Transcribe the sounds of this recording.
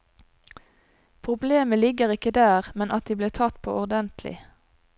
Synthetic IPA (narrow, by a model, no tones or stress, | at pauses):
pʰʁʊbleːməlɪɡəʁɪkəd̪æːʁmɛnʔɑt̪̚d̪iːbliːʁt̪ʰɑt̪pʰo̰ːʔɔʁd̪ɛnt̪ʰlɪ̰